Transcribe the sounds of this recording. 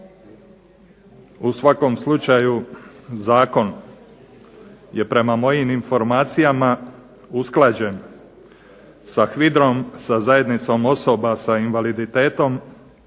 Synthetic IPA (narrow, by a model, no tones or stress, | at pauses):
usʋako̞mslˠut͡ʃajuzaːko̞n | je̞pɾe̞mamo̞jiminfo̞ɾmaːt̪sijama | usklˠaːd͡ʑe̞n | saxʋid̪ɾo̞msazaje̞d̪nit̪so̞mo̞so̞basainʋalid̪it̪e̞ːt̪o̞m